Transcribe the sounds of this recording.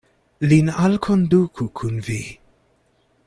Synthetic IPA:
linalkʰɔnd̪uːkʰukʰunviː

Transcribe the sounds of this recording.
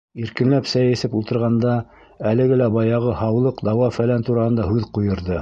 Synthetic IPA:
iɾkɘ̆nlæpsæjɘ̆sɘpulˠt̪ɤ̆ɾʁɑnd̪ɑ | ælɘ̆ɡɘlæbɑjɑʁɤhɑwlˠɤqd̪ɑwɑfælænt̪uɾɑhɤ̆nd̪ɑɦʉðqujɤ̆ɾðɤ

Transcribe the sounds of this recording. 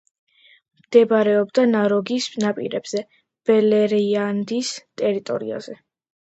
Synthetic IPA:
md̪̥ɛbɾɛɔbd̪anaɾɔɡisnapʼḭɾɛb̥z̥ɛ | b̥ɛlɛɾand̪ist̪ʼɛɾit̪ʼɔ̰ɾḭa̰z̥ɛ

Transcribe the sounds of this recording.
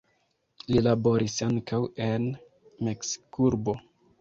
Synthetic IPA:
lilabo̞ɾisaŋkʰawe̞n | meksi̥kuɾbo̞

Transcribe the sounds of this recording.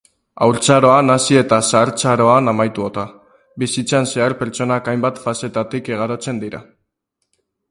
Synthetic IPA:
a̰wɾt͡saɾo̞anasie̞t̪asaɾt͡saɾo̞anamajt̪uot̪a | bisit͡sanse̞aɾpe̞ɾt͡ʃo̞nakajmbat̪fase̞t̪at̪ike̞ɣ̞aɾo̞t͡se̞nd̪iɾa̰

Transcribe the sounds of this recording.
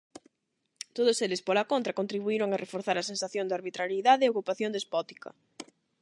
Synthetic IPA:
t̪oðoselɪspolakont̪ɾɐkont̪ɾiβuiɾoŋarefoɾθaɾɐsensaθjoŋnd̪aɾβit̪ɾaɾjiðaðeːokupaθjond̪espɔt̪i̥kɐ̰

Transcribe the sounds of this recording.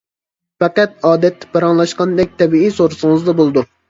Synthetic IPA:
fɛqæt̪̚ɑːd̪ɛt̪ʰːɪ̥pɑɾɑŋlˠɑʃqɑnd̪ɛk̚ʲt̪ʰɛbiisoɾɨsɨŋɨzd̪ɑbolˠɨd̪u

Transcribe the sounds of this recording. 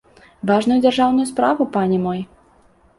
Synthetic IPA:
vaʐnʊjud͡zʲarʐawnʊjuspɾavʊpanʲɛmɔj

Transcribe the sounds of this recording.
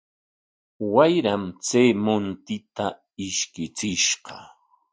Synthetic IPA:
wajɾamt͡sejmʊnt̪ɪt̪a | ɪʃkɪt͡sɪʃɢɑ

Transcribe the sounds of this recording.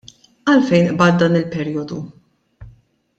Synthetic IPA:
ɐlfɛjnʔbɐːt̪̚d̪ɐːnɪlpɛɾiːjɔd̪u

